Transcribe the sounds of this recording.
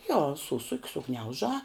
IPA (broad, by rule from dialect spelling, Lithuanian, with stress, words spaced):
joː ˈsʊsʊkʲ sʊˈɡnʲɛʊʒɑː